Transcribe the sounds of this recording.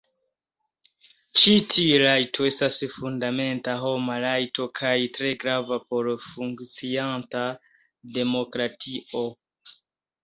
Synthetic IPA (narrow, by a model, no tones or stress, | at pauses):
t͡ʃitʰiɾajtʰo̞e̞stasfundame̞ntaɦo̞malajto̞kʰajtɾe̞ɡɾavapo̞ɾfuŋkt͡sianta | de̞mo̞kɾatʰio̞